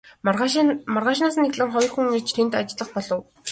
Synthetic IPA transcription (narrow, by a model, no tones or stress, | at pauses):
marʁaːʃnaːsnexɮɘ̆ŋχɔj̆ʲrxuŋit͡ɕt̪ʰen̥t̪at͡ɕɮə̆χpɔɮɞ̆w